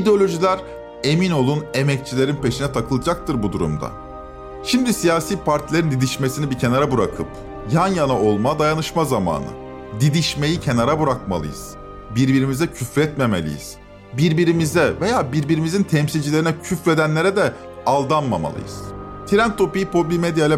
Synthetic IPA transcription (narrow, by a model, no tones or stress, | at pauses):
id̪eo̞lʲo̞ʒilʲæɾ | e̞mino̞lˠune̞mɛc̚t͡ʃʰilʲe̞ɾinpe̞ʃinɛt̪ʰakʰɯlˠɯd͡ʒak̚t̪ʰɯɾbud̪uɾṵmd̪a̰ | ʃimd̪isijaːsiːpʰaɾt̪ʰilʲeɾind̪id̪iʃme̞sinibicʰe̞naɾabuɾakʰɯp̚ | janjanao̞lˠmad̪ajanɯʃmazama̰ːnɯ̰ | d̪id̪iʃme̞jicʰe̞naɾabuɾak̚ma̰lˠɯ̰jɯ̰z̥ | biɾbiɾimizɛcʰyfɾɛt̪me̞melʲḭjḭz̥ | biɾbiɾimizɛve̞jaːbiɾbiɾimizint̪ʰɛmsilʲd͡ʒilʲeɾinɛcʰyfɾe̞d̪ænlʲe̞ɾɛd̪ɛ | alˠd̪anma̰ma̰lˠɯ̰jɯ̰z̥ | t̪ʰiɾæmt̪ʰo̞pijipʰo̞bimed̪jalʲɛ